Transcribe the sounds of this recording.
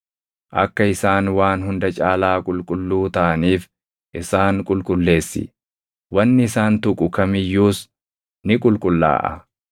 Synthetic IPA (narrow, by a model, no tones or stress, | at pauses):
ʔɐkːɐɪsaːnwaːnɦʊnd̪ɐt͡ʃʼaːlaːkʼʊlkʼʊlːuːt̪ɐʔɐniːf | ʔɪsaːŋkʼʊlkʼʊlːe̞ːsːɪ̰ | wɐnːɪɪsaːnt̪ʊkʼʊkɐmɪjːuːs | nɪkʼʊlkʼʊlːa̰ːʔɐ̰